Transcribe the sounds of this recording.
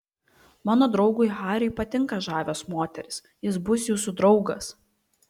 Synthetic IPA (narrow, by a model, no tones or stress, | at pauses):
mɑːnoːd̪ɾɒʊɡʊɪxɑːɾʲʊɪpɐt̪ʲɪŋkɐʒɑːʋʲoːsmoːt̪ʲɛɾʲɪs | jɪs̬bʊsʲjuːsʊd̪ɾɒʊɡɐs